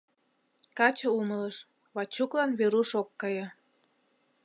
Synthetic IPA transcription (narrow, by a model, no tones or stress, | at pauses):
kɑt͡ɕɤ̆umələʃ | βɑt͡ɕuklɑnβeɾuʃokːɑjɤ̆